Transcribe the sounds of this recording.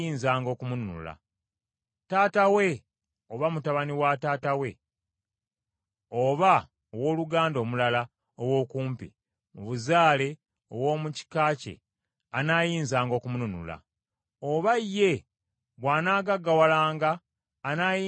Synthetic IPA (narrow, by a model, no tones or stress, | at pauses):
iːnzaːŋɡo̞ːkumununṵla̰ | taːtawe̞ | oβamutaβaniwataːtawe̞ | oβa | owo̞ːluɡaːndo̞ːmulala | owo̞kuːmpḭ | muβuzaːle̞ | o̰wo̞ːmuci̥kaːcḛ | anaːjiːnzaːŋɡo̞ːkumununṵla̰ | oβajːe̞ | βwaːnaːɡaɡːawalaːŋɡaː | naːjiː